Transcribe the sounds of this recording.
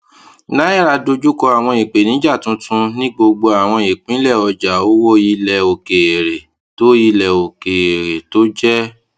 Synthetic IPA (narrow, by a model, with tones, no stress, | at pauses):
na˦i˦ɾa˧do˧d͡ʒu˦kɔ˧a˨w̃ɔ̃˧i˨k͡pe˨nĩ˨˦d͡ʒa˦˨tũ˨˦tʰũ˧nĩ˦ɡ͡bo˧ɡ͡bo˧a˨w̃ɔ̃˧e˨k͡pĩ˨˦lɛ˦˨ɔ˧d͡ʒa˨o˦wo˦ji˧lɛ˨o˨ke˨e˨ɾe˨ | to˨˦ji˧lɛ˨o˨ke˨e˨ɾe˨to˨˦d͡ʒɛ˦